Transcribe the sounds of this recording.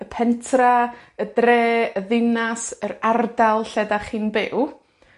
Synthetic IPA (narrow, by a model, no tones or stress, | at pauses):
əpʰɛntʰraədreːəðɪnasərardalˠɬɛdaχiːnbɪ̰w